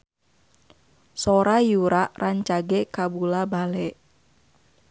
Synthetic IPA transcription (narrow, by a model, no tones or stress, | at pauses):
soɾajuɾaʔraɲt͡ʃaɡɛkabulabalɛʔ